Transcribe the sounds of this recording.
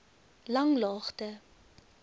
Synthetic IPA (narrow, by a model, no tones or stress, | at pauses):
lɐŋlɑːχtə